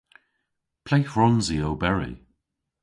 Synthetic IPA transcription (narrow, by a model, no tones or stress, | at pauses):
pʰl̥ejfɹɔnziowbɛɹḭ